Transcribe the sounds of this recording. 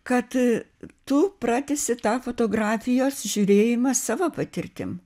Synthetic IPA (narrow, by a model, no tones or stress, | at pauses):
kɐt̪t̪ʊprɑːt̪ʲɪsʲɪt̪ɑːfoːt̪oːɡrɑːfʲɪjoːsʒʲuɾʲeːjɪmɐsɑːʋopɐt̪ʲɪrʲt̪ʲɪ̰m